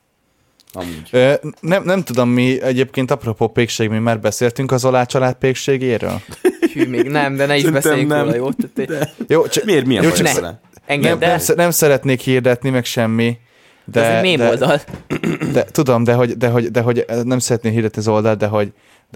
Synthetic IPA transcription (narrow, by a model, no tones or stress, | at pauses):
ɒ̰muøːnɛmnɛmt̪ud̪o̞mːiɛɟeːp̚keːnt̪ɒpropoːpeːkʃeːɡmimːaːrbɛseːlt̪yŋkɒzolaːt͡ʃɒlaːt̪̚peːkʃeːɡeːɾø̰ːlymeɡnɛmd̪ɛnɛiʃbɛsɛnɛjoːt̪t̪ːjoːt͡ʃɒmːmijoːt͡ʃɒna̰ | ɛŋɡnɛmɛmsɛnɛmsɛɾɛt̪neːkhiːrd̪ɛt̪nimɛkʃɛmːi | d̪ɛmeːmd̪ɛold̪ɒl | d̪̥ɛt̪ud̪o̞md̪ɛɦo̞ɟd̪ɛɦo̞ɟd̪ɛɦo̞ɟnɛmsɛɾɛt̪neːkɦird̪ɛt̪niɒzo̞ld̪ɒlt̪̚d̪ɛɦo̞ɟ̪